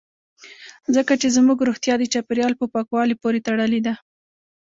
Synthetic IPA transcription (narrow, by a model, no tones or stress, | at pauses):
zəkat͡ʃezmuɡɾuxt̪jɑd̪ət͡ʃapəɾjɑlpəpɑkwɑlipoɾet̪aɽəled̪a